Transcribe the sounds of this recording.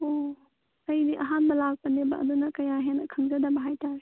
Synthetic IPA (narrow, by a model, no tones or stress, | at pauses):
o | ɐjdiʔɐɦanbɐlak̚pɐneba̰ʔɐ̰dunɐkɐjaɦenɐkʰɯŋzɐdɐbɐɦajtaɾe